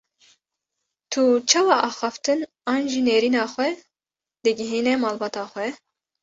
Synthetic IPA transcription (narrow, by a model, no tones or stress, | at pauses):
t̪ʰut͡ʃʰɑːwɑːʔɑːxɑft̪ɨn | ɑːnʒiːneːɾiːnɑːxʷɛ | d̪ɨɡɪɦiːnɛmɑːlbɑːt̪ɑːxʷɛ